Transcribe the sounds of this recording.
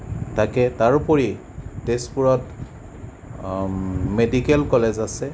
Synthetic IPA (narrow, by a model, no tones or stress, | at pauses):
takɛtaɹupɔɹi | tespuɹɔt | medikɛlkɔlezasɛ